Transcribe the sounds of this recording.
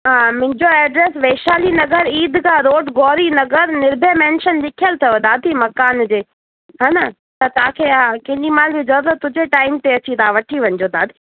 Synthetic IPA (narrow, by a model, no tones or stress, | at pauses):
ɦaːmʊ̃ɦɪ̃ɲd͡ʑoɛːɖɾeːsʋeːʃaːlinɐɡəɾiːd̪kʰãːɾoːʈɡɔːɾinɐɡəɾnɪɾbʱemɛ̃ːnʃənlɪkʰijəlt̪ʰɐjod̪aːd̪ʱimɐkaːnd͡ʑeː | ɦaːnɐ | t̪ɐt̪ɐaãkʰeːãkɐ̃ɦɪ̃ɗimãːnbid͡ʑɐot̪ɐt̪ʊd͡ʑeʈaːɪmt̪eɐt͡ɕit̪ʰaːʋɐʈʰiʋɐ̃ɲɪd͡ʑoːd̪aːd̪ʱi